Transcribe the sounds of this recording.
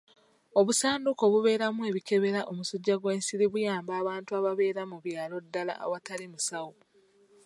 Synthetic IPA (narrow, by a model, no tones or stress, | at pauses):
o̞βusaːnduko̞βuβe̞ːɾamue̞βike̞βe̞ɾaʔomusuɟːaɡwe̞ːnsiɾiβujaːmbaːβaːntuaβaβe̞ːɾamuβjaːlo̞dːala̰ːwatalimusawo